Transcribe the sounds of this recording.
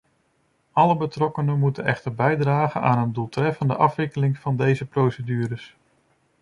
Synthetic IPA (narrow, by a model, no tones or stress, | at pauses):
ɑləbətrɔkənəmutənɛχtəɹbɛjdraːχənaːnəndulˠtrɛfəndə̰ʔɑfʋɪkəlɪŋv̥ɑndejzəprowsədyːɾəs